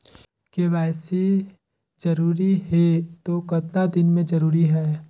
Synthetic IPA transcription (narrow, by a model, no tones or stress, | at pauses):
keʋɛːsi | d͡ʒɐɾuːɾiɦɛt̪okɐt̪nad̪ɪnmẽd͡ʒɐɾuːɾiɦɛː